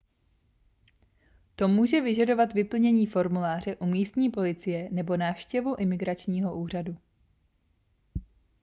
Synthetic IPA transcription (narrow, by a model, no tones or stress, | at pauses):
t̪o̞muːʒɛvɪʒado̞vat̪vɪpl̩ɲɛɲiːfo̞ɾmulaːr̝ɛʔumiːst̪ɲiːpo̞lɪt͡sɪjɛnɛbo̞naːfʃcɛvuʔɪmɪɡɾat͡ʃɲiːɦo̞ʔuːr̝adu